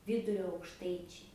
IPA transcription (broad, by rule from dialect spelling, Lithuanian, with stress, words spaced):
ˈʋʲiːdʊrʲoː ɐʊkʃˈtɐɪt͡ʃʲɛɪ